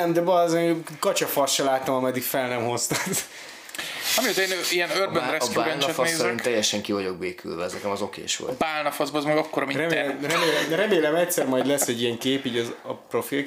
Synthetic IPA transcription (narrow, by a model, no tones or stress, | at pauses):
ɛmd̪ɛbɒzekɒt͡ʃɒfɒrʃɛlaːt̪omɒmɛd̪ikfɛlnɛmho̞st̪at̪ | ɒmiot̪eːniɛnørbønɾɛbaɾɛnɛfɒneːzint̪ɛjːɛʃɛŋkivɒɟo̞ɡ̚beːkʰy̰lvɛɛznɛkɛmɒzo̞kḛːʃʋo̰t̪baːlnɒfɒzbzmɛɡɒkːoɾmirɛmerɛmeːlɛmrɛmeːlɛmɛct̪sɛrmɒjd̪lɛsːɛɟːijɛŋkeːpiːɟɒzɒpro̞fil